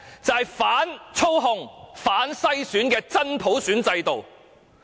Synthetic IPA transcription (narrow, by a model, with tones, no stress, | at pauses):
t͡sɐ˨hɐ˨˩jfaː˨˥nt͡sʰo˥wɦʊ˧ŋfaː˨˥nsɐ˥jsyː˨˥nkɛː˧t͡sɐ˥npʰo˨˥wsyː˨˥nt͡sɐ˧jt̪o˨w